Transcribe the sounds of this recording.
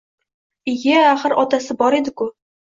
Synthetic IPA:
ɪjeaχəɾʔɒt̪asɪbɒɾed̪ɪkʊ

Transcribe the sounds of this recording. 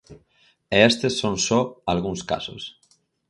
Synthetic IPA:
eest̪esːonsoalɣunska̰so̰s

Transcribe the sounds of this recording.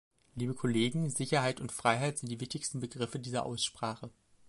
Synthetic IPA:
liːbəkʰɔleːɡŋ̩zɪçɐɦaɪtʊntfʁ̥aɪɦaɪtz̥ɪnt̚d̥iːvɪçtɪçstn̩bəɡʁɪfədiːzɐ̰ʔa̰ʊsʃpʁ̥aːχə

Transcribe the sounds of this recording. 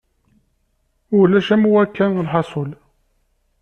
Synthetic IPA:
ʊlːæʃæmuwækːænlħɑsˤol

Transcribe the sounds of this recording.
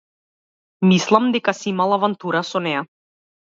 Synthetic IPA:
mislˠamd̪ɛkasiimalˠavant̪uɾasɔnɛja

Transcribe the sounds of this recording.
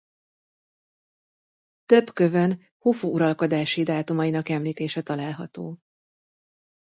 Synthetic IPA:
t̪øbkøvɛn | hufuuɾɒlko̞d̪aːʃid̪aːt̪umɒjinɒkɛmliːt̪eːʃɛt̪ɒlaːlɦɒt̪oː

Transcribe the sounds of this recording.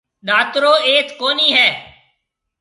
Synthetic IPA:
ɗaːt̪ɾoːeːt̪koːniːɦɛː

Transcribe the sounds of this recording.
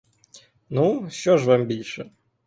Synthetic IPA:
nuɕɔʂvambʲilʲʂɨ

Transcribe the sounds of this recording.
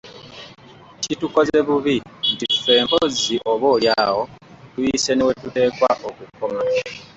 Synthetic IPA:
cituko̞ze̞βuβindife̞ːmpoziʔoβoːljaːwo̞ | tujise̞newetute̞ːkwaʔokukːoma

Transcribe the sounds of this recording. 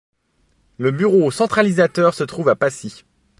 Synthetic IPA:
ləbyʁosɑ̃t̪χalizat̪œʁsət̪χuvapasi

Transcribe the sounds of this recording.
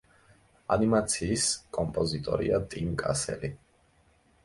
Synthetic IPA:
a̰nimat̪sʰiːskʼɔmpʼɔzit̪ʼɔ̰ɾḭat̪ʼimkʼa̰sɛ̰li

